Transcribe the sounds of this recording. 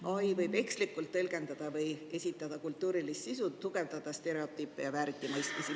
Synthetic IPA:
ʔojvɤjbe̞kslikːˑult̪ːɤlɡ̥e̞nd̪̥ɑd̪̥ɑvɤje̞sʲit̪ˑːɑd̪̥ɑkult̪ːˑuːɾilist̪sisut̪ːuɡ̥e̞vd̪ɑd̪̥ɑst̪e̞ɾe̞o̞t̪ːˑipːˑejɑvæːɾit̪ːˑimɤjst̪misi

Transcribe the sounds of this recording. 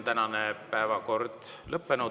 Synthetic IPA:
t̪ænɑnepæevɑko̞rd̪̥ | lɤpːenu

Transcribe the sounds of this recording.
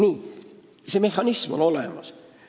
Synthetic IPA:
niː | seme̞hːɑnismo̰no̞lḛmɑs

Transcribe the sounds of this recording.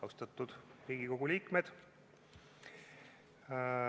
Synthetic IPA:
ɑwst̪ɑt̪ːˑud̪̥riːɡ̥iko̞ɡ̥uliːkmed̪̥

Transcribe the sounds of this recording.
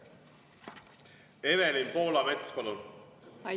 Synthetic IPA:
evelinpo̞ːlɑmet̪spɑlun

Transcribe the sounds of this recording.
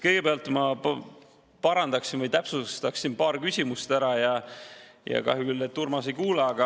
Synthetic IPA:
kɤjɡ̥e̞peɑlt̪ˑmɑp | pɑɾɑnd̪ɑksinvɤjt̪æpsust̪ɑksinpɑːɾkysʲimust̪æɾɑjɑ | jɑ̰kɑ̰ɦjukylːet̪ːurmɑsejkuːlɑːɡ̥ɑ

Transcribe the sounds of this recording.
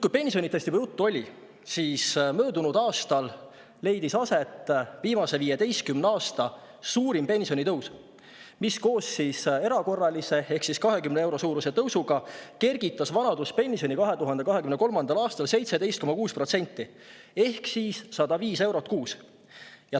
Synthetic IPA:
kujpe̞nʲsionʲit̪ːest̪ipujut̪ːuo̞lʲi | siːsmøːd̪unud̪ɑːst̪ɑl | le̞jd̪̥isɑse̞t̪ːˑviːmɑse̞viːjed̪e̞jst̪̚kymnɑːst̪ɑ | suːɾimpe̞nʲsio̞nʲit̪ɤws | misko̞ːsːise̞ɾɑko̞rːɑlʲise̞e̞hksiskɑɦe̞kymneewɾo̞suːɾuse̞t̪ɤwsuɡ̥ɑke̞rɡ̥it̪ːˑɑsvɑnɑd̪̥uspe̞nʲsio̞nʲikɑɦe̞t̪uɦɑnd̪ekɑɦe̞kymne̞ko̞lmɑnd̪̥ɑlɑːst̪ɑlse̞jt̪sed̪e̞jst̪̚ko̞mɑkuːsprot̪se̞nʲt̪ːˑi | e̞hksiːsːɑd̪ɑviːse̞wɾo̞t̪̚ːˑkuːs | jɑ

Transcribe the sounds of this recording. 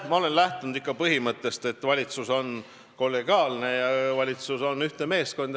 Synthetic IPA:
mɑo̞le̞nlæht̪unud̪ikːˑɑpɤɦimɤt̪ːˑe̞st̪e̞t̪ːˑvɑlʲit̪suso̞n | ko̞lːe̞ɡ̥iɑːlne̞jɑvɑlʲit̪suso̞nyht̪eme̞ːsko̞nd̪̥

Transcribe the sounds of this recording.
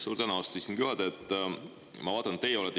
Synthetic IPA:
suːɾd̪̥ænuost̪uisinkyhɑd̪et̪ːˑ | mɑvɑːd̪̥ɑnt̪ːˑejeolɛt̪ː

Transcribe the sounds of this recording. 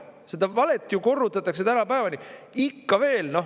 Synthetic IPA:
se̞d̪̥ɑvɑle̞t̪ːˑjuko̞rːut̪ːˑɑt̪ːˑɑks̬e̞t̪ænɑpæevɑnʲiikːɑve̞ːlno̞

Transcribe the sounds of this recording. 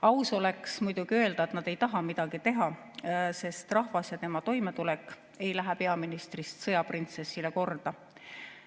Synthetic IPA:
ɑwso̞leksmujd̪̥uɡ̥iø̞ld̪ɑet̪nɑd̪̥e̞jt̪ɑɦɑmid̪̥ɑɡ̥it̪e̞ɦɑ | se̞st̪rɑhvɑsjɑt̪e̞mɑt̪o̞jme̞t̪ulɛkːˑ | e̞jlæɦæɛpe̞ɑminist̪rist̪sɤjɑprint̪se̞sːileko̞rd̪̥ɑ

